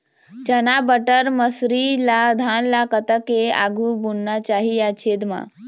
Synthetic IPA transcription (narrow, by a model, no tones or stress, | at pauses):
t͡ɕənabəʈəɾməsɾilad̪ʱanlakət̪əkea̰ɡʱubunːat͡ɕaɦijat͡ɕʰed̪ma̰